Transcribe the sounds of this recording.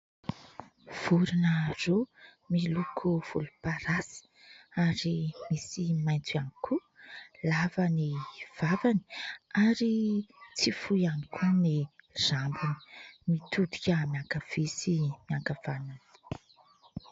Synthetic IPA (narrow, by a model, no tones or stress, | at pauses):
v̥uɾinaro | milukʰuv̥ṵlupaɾasi̥ | aɾimisimajnt͡sianikʰu | lavaniv̥avani̥aɾit͡sifujanikʰuniz̥ambini̥mit̪ud̪i̥kʲəmiaŋkav̥isimiaŋkavanani̥